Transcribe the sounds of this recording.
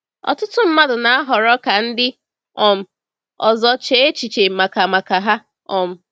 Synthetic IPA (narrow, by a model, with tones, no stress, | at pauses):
ɔ̰˨tʊ˦tʊ˦m̩˦ma˦dʊ˨na˨a˦ɦɔ˨ɾɔ˦ka˨n̩˦dɪ˦ | ɔ˨m̩˨ | ɔ˨zɔ˨t͡ʃe˦e˦t͡ʃi˨t͡ʃe˨ma˨ka˨ma˨ka˨ɦa˦ | ɔ˨m̩˨